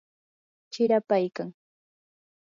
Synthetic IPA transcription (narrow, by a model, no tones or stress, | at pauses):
t͡ʃɪɾapajkaŋ